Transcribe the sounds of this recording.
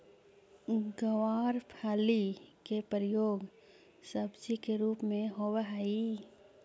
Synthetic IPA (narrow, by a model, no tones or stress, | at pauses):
ɡəwaːɾpʰaːlikepɾɪjoːɡ | səbd͡ʒikeɾuːpmẽɦowəɦaːi